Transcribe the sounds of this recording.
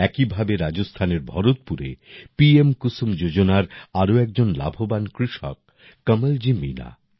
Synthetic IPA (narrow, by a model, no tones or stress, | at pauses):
ɛkibʱabeɾad͡ʑost̪ʰaneɾbʱɔɾot̪̚puɾḛpiemkusumd͡ʑod͡ʑonaɾaɾoɛk̚d͡ʑonla̰bʱobankɾiʃɔ̰k̚ː | əmeld͡ʑimḭna̰